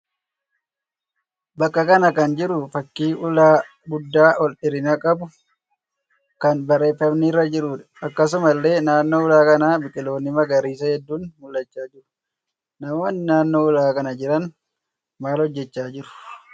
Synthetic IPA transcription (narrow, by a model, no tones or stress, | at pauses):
bɐkʼːɐkɐnɐkɐnd͡ʒɪɾʊfɐkːiːʔʊlaː | ɡʊd̪ːaːʔɔlᶑɪɾɪnɐkʼɐbʊ | kɐnbɐɾe̞ːfːɐmniːrːɐd͡ʒɪɾuːᶑɐ̥ɐkːɐs̬ʊmɐlːe̞ːnaːnːo̞ːʊlaːkɐnaːbɪkʼɪlo̞ːnɪmɐɡɐɾiːsɐhɛd̪ːuːnmʊlːɐt͡ʃːaːd͡ʒɪɾʊ̥ | nɐmoɐnnaːnːo̞ːʊlaːkɐnɐd͡ʒɪɾɐn | maːlhɔd͡ʒːɛt͡ʃːaːd͡ʒɪɾʊ̥